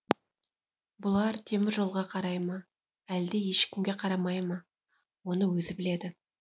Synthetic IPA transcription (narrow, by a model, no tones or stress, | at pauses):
bʊlˠɑɾt̪ʰe̞mɪɾʒo̞lˠʁɑqʰɑɾɑjmɑ | æld̪e̞je̞ʃkʲɪmɡʲe̞qʰɑɾɑmɑjmɑ | wo̞nəwɵzɪbɪle̞d̪ɪ